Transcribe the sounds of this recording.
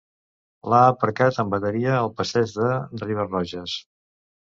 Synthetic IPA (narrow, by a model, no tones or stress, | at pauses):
laəpəɾkat̪əmbət̪əɾiəːlˠpəsɛd͡ʒðəriβ̞ərɔʒəs